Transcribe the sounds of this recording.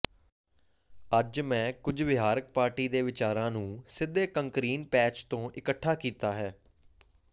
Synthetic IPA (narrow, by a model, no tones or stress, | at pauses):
əd͡ʒmɛ̃ːkʊd͡ʒʋɪɦaːɾək̚paːɾʈiːd̪eːʋɪt͡ʃaːɾãːnũːsɪd̪ːeːkəŋkɾiːnpɛːt͡ʃt̪õːʔɪkəʈʰːaːkiːt̪aːɦɛː